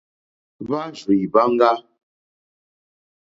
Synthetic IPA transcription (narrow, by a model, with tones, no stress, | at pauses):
βa˦ʒi˨jba˦ŋ˦ɡa˦